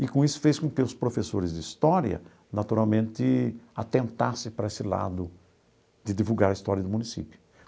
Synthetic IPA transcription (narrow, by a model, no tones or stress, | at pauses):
ɪkõisʊ̥feskõkɪʊspɾofesoɾɪzd̪ɪist̪ɔɾjɐ̰ | nat̪uɾawmẽnt̪ɪat̪ẽnt̪asɪpɾɐesɪla̰d̪ʊ | d̪ɪd̪ivuɡaɾɐist̪ɔɾjɐd̪ʊmũnisḭpjʊ̥